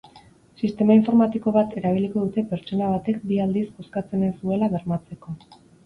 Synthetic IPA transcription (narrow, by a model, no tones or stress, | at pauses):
sist̪e̞maiɱfo̞ɾmat̪iko̞βat̪e̞ɾaβ̞iliko̞ðut̪e̞pe̞ɾt͡ʃo̞naβ̞at̪e̞k̚biald̪isbo̞skat͡se̞nesd̪ue̞laβe̞ɾmat͡seko̞